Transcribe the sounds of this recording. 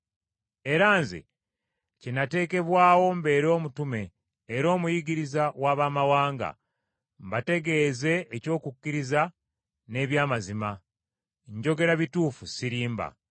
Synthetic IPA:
e̞ɾaːnzḛ | cinate̞ːke̞βwaːwo̞mbe̞ːɾo̞ːmutume̞ː | ɾo̞ːmujiɡiɾizawaːβaːmawaːŋɡa̰ | mbate̞ɡe̞ːze̞ːco̞ːkukːiɾiza | ne̞ːβjaːmazima | ɲɟo̞ɡe̞ɾaβituːfusiɾiːmba̰

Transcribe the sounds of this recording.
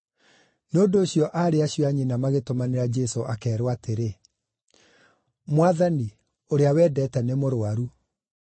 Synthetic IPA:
neondoːɕjɔʔaɾeaɕjɔaɲinamaɣetomaneɾad͡ʒɛsoʔakɛːɾwateɾe | mwaðani | oɾeawɛːdɛtɛnɛmoɾoaɾu

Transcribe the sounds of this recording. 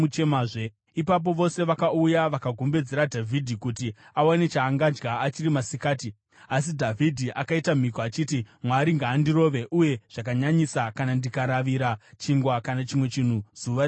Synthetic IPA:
ut͡ʃemaːe | ipap̬o̞ʋo̞se̞ʋakaujaʋakaɡʱombe̞d͡ze̞ɾadʱavʱidʱikutiawane̞t͡ʃaːŋɡad͡ʒɡaːt͡ʃirimasikaːti | as̬idʱavʱidʱiʔakaitam̤ikoat͡ʃitimwaɾiŋɡaːndiɾo̞ːʋe̞ʔuje̞ʐ̥akaɲaɲisakanandikaɾaʋiɾat͡ʃiŋɡwakanat͡ʃimwe̞t͡ʃin̤uz̥uʋa

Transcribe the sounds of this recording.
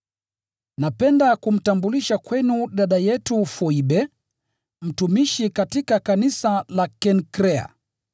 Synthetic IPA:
napɛndakum̩tambuliʃakwɛnuɗaɗajɛtufɔiɓɛ | m̩tumiʃikatikakanisalakɛnkɾɛa̰

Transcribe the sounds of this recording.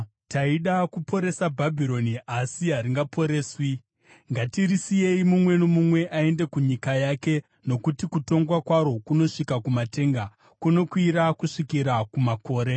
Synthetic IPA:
taiɗakupo̞ɾe̞sabʱabʱiɾo̞niʔasiɦaɾiŋɡapo̞ɾe̞ːswi | ŋɡatirisije̞imumwe̞nomumwe̞ʔae̞nde̞kuɲikajake̞ | no̞kutikuto̞ŋɡwakwaɾo̞kuno̞ʂikakumate̞ːŋɡa | kuno̞kwiɾakuʂikiɾakumako̞ːɾe̞

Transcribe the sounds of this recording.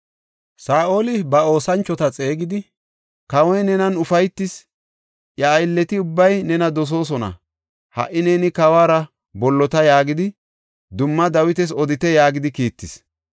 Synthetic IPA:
saːʔo̞ːlɪbɐo̞ːsɐnt͡ʃːɔt̪ɐt͡sʼeːɡɪd̪ɪ | kɐwɔjnɛnɐnʊfɐjt̪ːɪs | ʔjɐːjlːɛt̪ɪʊbːɐjnɛnɐd̪ɔs̬o̞ːs̬ɔnɐ̰ | hɐ̰ʔːɪneːnɪkɐwaːɾɐ | bɔlːɔt̪ɐjaːɡɪd̪ɪ | d̪ʊmːɐd̪ɐwɪt̪ɛs̬ɔd̪ɪt̪ɛjaːɡɪd̪ɪkiːt̪ːɪs

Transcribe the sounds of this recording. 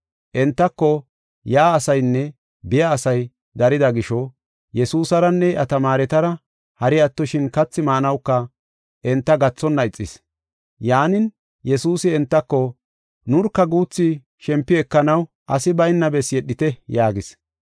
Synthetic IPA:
ʔɛnt̪ːɐkːɔ | jaːsɐjnːɛ | bɪjaːsɐj | d̪ɐɾɪd̪ɐɡɪʃɔ | jɛsuːsɐɾɐnːɛʔɐt̪ɐmaːɾɛt̪ɐɾɐ | hɐɾɪɐt̪ːɔʃɪnkɐt͡sːɪmaːnɐwkːɐ | ʔɛnt̪ːɐɡɐt͡sːɔnːɐɪt͡sʼːɪs | jaːnɪn | jɛsuːsɪɛnt̪ːɐkːɔ | nʊɾkːɐɡuːt͡sːɪ | ʃɛmpːɪɛkːɐnɐw | ʔɐsɪbɐjnːɐbɛsjɛɗːɪt̪ɛjaːɡɪs

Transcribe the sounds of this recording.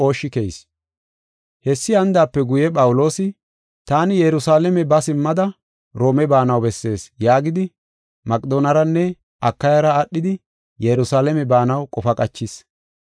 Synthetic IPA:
o̞ːʃːɪkejs | hɛsːɪɐnd̪aːpːɛɡʊjɛpʼɐwʊlo̞ːsɪ | t̪aːnɪjɛɾʊsaːlɛmɛbɐsɪmːɐd̪ɐ | ɾo̞ːmɛbaːnɐwbɛsːe̞ːsjaːɡɪd̪ɪ | mɐkʼd̪oːnɐɾɐnːɛ | ʔɐkːɐjɐɾɐːɗːɪd̪ɪ | jɛɾʊsaːlɛmɛbaːnɐwkʼɔfɐkʼɐt͡ʃːɪs

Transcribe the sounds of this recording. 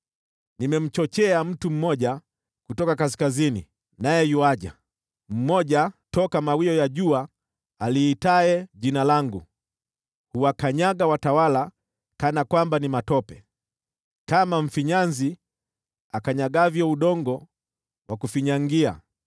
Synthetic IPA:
nimɛm̩t͡ʃɔt͡ʃɛam̩tum̩mɔʄa | kutɔkakas̬kazinḭ | najɛjuwaʄa̰ | m̩mɔʄatɔkamawiɔjaʄuaː | liːtaɛʄinalaŋɡu | huwakaɲaɡawatawala | kanakwambanimatɔpɛ | kamaɱ̩fiɲanzi | akaɲaɡavjɔuɗɔŋɡɔ | wʔakufiɲaŋɡia̰

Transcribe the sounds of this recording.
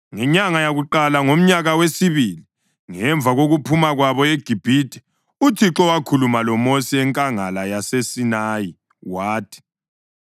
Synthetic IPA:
ŋɛɲaŋajaɣuǃalaŋom̩ɲaɣawesiβili | ŋɛɱb̪vʱaɣoɣupʰumaɣwaβɔeɡ̥ʱib̥ʱitʼɛ̥ | utʰiǁɔwakʰulumalɔmosiɛŋkʼaŋalajasesinaji | waːtʰi̥

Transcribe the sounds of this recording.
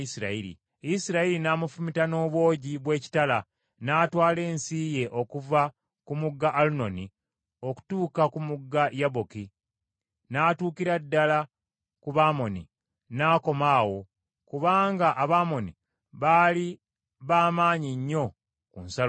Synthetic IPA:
isiɾa̰iɾḭ | isiɾailinaːmufumitano̞ːβwo̞ːɟiβwe̞ːci̥tala | naːtwaːle̞ːnsiːje̞ʔo̞kuva | kumuɡːaʔːluno̞ni | o̞ku̥tuːkakumuɡːajaβoki | naːtuːkiɾadːala | kuβaːmo̞nḭ | naːko̞maːwo̞ | kuβaːŋɡaʔaβaːmo̞ni | βali | βaːmaːɲiɲːo̞ | kunsa

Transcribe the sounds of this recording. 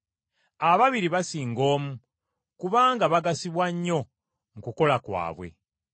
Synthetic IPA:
aβaβiɾiβasiːŋɡo̞ːmu | kuβaːŋɡaβaɡasiβwaɲːo̞ | ŋ̩kuko̞lakwa̰ːβwḛ

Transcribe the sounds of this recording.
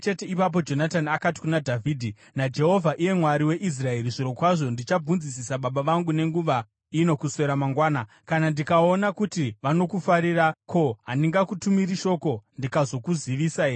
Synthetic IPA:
t͡ʃe̞teipap̬o̞d͡ʒo̞nataniakati̥kunadʱavʱiːdʱi | nad͡ʒe̞ɦo̞vʱaʔije̞mwaɾiwe̞ʔis̬rae̞ɾiʐiɾo̞kwaʐo̞ndit͡ʃab͡vunzisisaɓaɓaʋaŋɡune̞ŋɡuʋa | ino̞kuse̞ɾamaŋɡwaːna | kanandikao̞nakutiʋano̞kufaɾirako̞ɦandiŋɡakutumiɾiʃo̞ko̞ndikazo̞kuziʋiːsa

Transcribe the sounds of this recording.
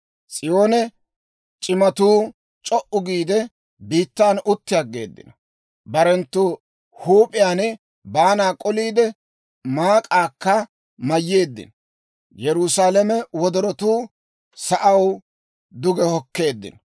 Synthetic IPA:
sʼɪjo̞ːnɛ | t͡ʃʼɪmɐt̪uː | t͡ʃʼɔʔʊɡiːd̪ɛ | biːt̪ːaːnʊt̪ːɪjɐɡːe̞ːd̪ːɪ̰nɐ | bɐɾɛnt̪ːʊ | huːpʼɪjaːnɪ | baːnaːkʼɔliːd̪ɛ | maːkʼaːkːɐ | mɐjːe̞ːd̪ːɪ̰n | jɛɾʊsaːlɛmɛwɔd̪ɔɾɔt̪uː | sɐʔɐw | d̪ʊɡɛhɔkːe̞ːd̪ːɪ̰n

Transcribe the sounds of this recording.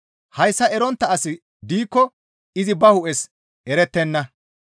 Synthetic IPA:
hɐjsːɐɛɾɔnt̪ːɐɐsɪ | d̪iːkːɔ | ɪzɪbɐhʊʔɛs | ɛɾɛt̪ːɛnːɐ

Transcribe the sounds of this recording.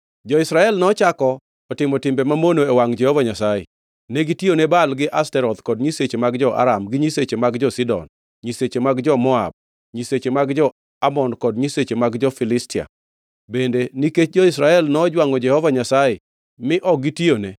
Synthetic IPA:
d͡ʒɔɪsɾaɛlnɔt͡ʃakɔː | tɪmɔtɪmbɛmamonoewaŋd͡ʒɛhɔvaɲasajḛ | neɡitionebalɡɪʔastɛɾɔd̪kɔdɲiset͡ʃemaɡd͡ʒɔʔa̰ɾamɡɪɲiset͡ʃemaɡd͡ʒɔsidɔ̰n | ɲiset͡ʃemaɡd͡ʒɔmɔa̰b̚ | ɲiset͡ʃemaɡd͡ʒɔ | amɔnkɔdɲiset͡ʃemaɡd͡ʒɔfɪlɪstɪa̰ | bendeniket͡ʃd͡ʒɔisɾaɛlnɔd͡ʒwaŋɔd͡ʒɛhɔvaɲasaje | mɪʔɔɡitione

